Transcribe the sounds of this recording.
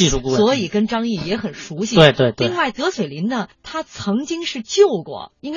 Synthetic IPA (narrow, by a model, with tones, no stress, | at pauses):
i˥˧ʂu˥˧ku˧swɔ˧˥i˨˩kə˥nʈ͡ʂɑ˥ŋi˥˩jɛ˧˥xə˨˩nʂu˧˥ɕi˧twe˥˧ɪt̪we˥˧ɪt̪i˥˧ŋ˧ŋwa˥˩ɪt̪ɤ˧˥swe˨˩ɪli˧˥nnə˧t̪ʰa˥t͡sʰɤ˧˥ŋt͡ɕi˥ŋʂɻ̩˥˧t͡ɕjo˥˧ʊkwɔ̰˥˩i˥nk